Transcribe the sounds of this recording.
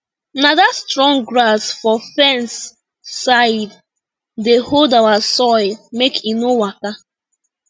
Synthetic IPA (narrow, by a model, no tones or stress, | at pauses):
naðastɹɔ̃ŋɡɹasfɔfɛ̃nsː | aɪd | deholdawasɔɪlmekʰinowaka